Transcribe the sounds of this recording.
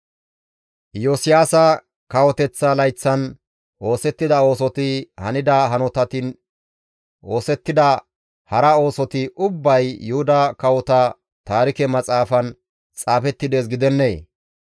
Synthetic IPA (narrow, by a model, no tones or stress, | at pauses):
josɪjaːsɐ | kɐwɔt̪ɛt͡sːɐlɐjt͡sːɐn | ʔo̞ːsɛt̪ːɪd̪ɐo̞ːs̬ɔt̪ɪhɐ̰nɪd̪ɐɦɐnɔt̪ɐt̪ɪn | o̞ːsɛt̪ːɪd̪ɐ | hɐɾɐo̞ːsɔt̪ɪʔʊbːɐjːʊhʊd̪ɐkɐwɔt̪ɐ | t̪aːɾɪkɛmɐt͡sʼaːfɐn | t͡sʼaːfɛt̪ːɪd̪e̞ːs̬ɡɪd̪ɛnːḛː